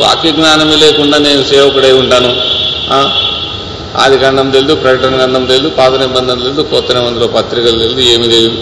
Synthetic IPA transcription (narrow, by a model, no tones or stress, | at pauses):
ʋa̰ːkjiɡnaːnɐmileːkuɳɖaːne̞ːnuseːʋɐkɐɽɐjuɳʈaːnuaː | a̰ːd̪ikɐɳɖɐmd̪eld̪upɾɐkɐʈɐnɐɡɐɳɖɐmd̪eld̪upaːd̪ɐnɐbɐnd̪ɐmd̪eld̪ukɔːt̪ːɐnɐmɐnd̪iloːpɐt̪ɾikɐld̪eld̪ue̞ːmid̪eld̪u